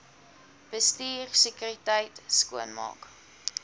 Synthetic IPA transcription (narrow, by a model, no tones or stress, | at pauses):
b̥əstiːrsəkyritəjtskuənmɑ̰ːk